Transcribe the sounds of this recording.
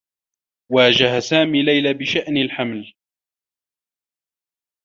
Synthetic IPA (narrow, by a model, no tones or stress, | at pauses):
waːd͡ʒahasaːmiːlajlaːbɪʃaʔnɪlħaml